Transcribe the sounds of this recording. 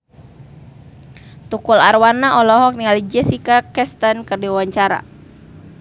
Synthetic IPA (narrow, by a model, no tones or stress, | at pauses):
t̪ukularwanaʔɔlɔɦɔk̚niŋalid͡ʒɛsikakɛst̪ankɨrdiwawaɲt͡ʃaɾa̰